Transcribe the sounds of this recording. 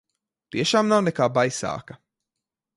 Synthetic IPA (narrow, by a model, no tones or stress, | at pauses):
t̪iɛʃaːmnawnɛkaːbajsa̰ːkɐ